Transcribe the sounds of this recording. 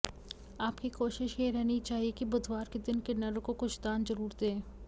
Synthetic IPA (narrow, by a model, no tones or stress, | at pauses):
aːpkikoːʃɪʃjeɾɛɦnit͡ʃaːɦiekibɐd̪waːɾked̪ɪnkenɐɾkokʊʃt̪aːnzɐɾuːɾd̪ẽː